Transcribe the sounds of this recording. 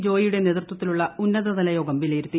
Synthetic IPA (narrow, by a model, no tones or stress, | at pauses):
d͡ʑo̞ːjijuɽe̞neðrt̪wɐt̪ːiluɭːɐunːɐðɐðɐlɐjo̞ːɡɐmbileɾut̪ːi